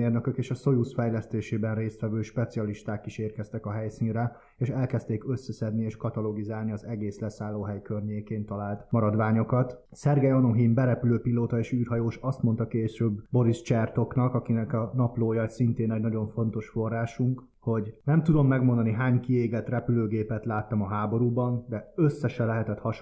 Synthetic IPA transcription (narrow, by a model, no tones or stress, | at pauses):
eːrnøkøkeːʃɒso̞jusfɛjlɛst̪eːʃeːbɛnreːst̪ʋɛvøːʃpɛt̪siɒliʃt̪aːkiʃeːrkɛst̪ɛkɒɦɛjsiːnrɛ | eːʃɛlkɛst̪eːkø̞sːɛsɛd̪nieːʃkɒt̪ɒlo̞ɡizaːlniɒzɛɡeːslɛsaːlːoːɦɛjkørɲeːkeːnt̪ɒlaːlt̪mɒɾɒd̪ʋaːɲo̞kɒt̪ | sɛrɡɛjonoɦimbɛɾɛpyløːpiloːt̪ɒeːʃyːrɦɒjoːʃɒst̪mo̞nt̪ɒkeːʃøːbbo̞ɾist͡ʃɛrt̪o̞knɒkɒkinɛkɒnɒploːjɒsint̪eːnːɟnɒɟo̞ɱfo̞nt̪o̞ʃfo̞rːaːʃuŋk | ho̞ɟnɛmt̪ud̪o̞mːɛɡmo̞nd̪ɒniɦaːɲkieːɡɛt̪rɛpyløːɡeːpɛt̪laːt̪ːɒmɒɦaːbo̞ɾuːbɒnd̪ɛøsːɛʃɛlɛɦɛt̪ɛt̪hɒʃ